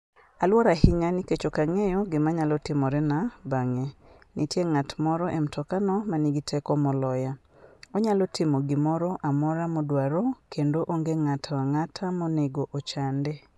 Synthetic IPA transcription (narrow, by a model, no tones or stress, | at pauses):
alwɔɾahɪɲaniket͡ʃokaŋejɔɡɪmaɲalɔtɪmɔɾɛnabaŋenitjeŋatmɔɾɔʔemtʰɔkanɔmaniɡitʰɛkɔmɔlɔja | oɲalɔtʰɪmɔɡɪmɔɾɔʔamɔɾamɔdwaɾɔkendoʔoŋɡeŋatʰawaŋatʰamɔneɡoʔot͡ʃande